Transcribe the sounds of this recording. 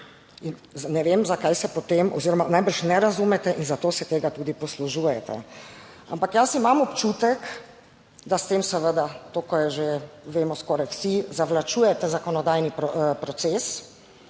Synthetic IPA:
inznɛʋemzakajsɛpɔt̪emʔɔ̰ziːɾɔmanajbəɾʃnɛɾazumɛt̪ɛʔinzat̪oːsɛt̪eːɡat̪uːd̪ipɔsluʒuːjɛt̪ɛ̰ | a̰mpakjasimamɔpt͡ʃuːt̪ɛk | d̪ast̪eːmsɛʋəd̪at̪oːkɔjɛʒeʋeːmɔskɔːɾajwsizaʋlat͡ʃuːjɛt̪ɛzakɔnɔd̪aːjnippɾɔt̪seːs

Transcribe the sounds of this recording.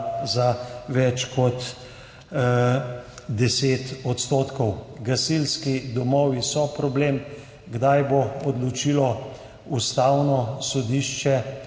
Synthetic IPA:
zaʋɛt͡ʃkɔt̪ | d̪ɛseːt̪ɔt̪st̪oːt̪kɔwɡasilskid̪ɔmɔːʋisɔpɾɔblem | ɡd̪ajboɔd̪lɔt͡ʃilɔ | ust̪awnɔsɔd̪iːʃt͡ʃɛ

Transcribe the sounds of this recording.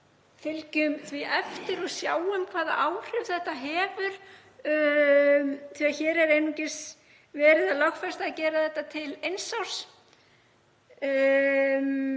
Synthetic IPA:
fɪlcʏmθvɪʔɛft̪ɪɾɔɣsjaːwʏmkʰvaːða̰ʔaːwr̥ʏvθɛht̪aɦɛːvʏɾ̥ | θiaçɛːɾɛɾejnucɪs | vɛːɾɪðalɔxfɛst̪aðcɛːɾaθɛht̪ːat̪ʰɪlejnsaw̥s

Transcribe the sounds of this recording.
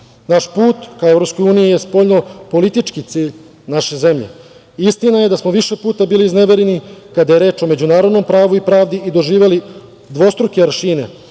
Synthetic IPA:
naʃpuːt̪kaoevɾopsko̞juːnijijespo̞ːʎno̞po̞lit̪it͡ʂkit̪siːʎ | naʃe̞ze̞mʎḛ | ist̪inaje̞d̪asmoʋiʃe̞puːt̪abiːliːzneʋeɾenikad̪ajeɾeːt͡ʃo̞me̞d͡ʑunaːɾo̞d̪no̞mpɾaːʋuipɾaːʋd̪iʔid̪o̞ʒiːʋe̞li | d̪ʋo̞st̪ɾukeɾʃiːnḛ

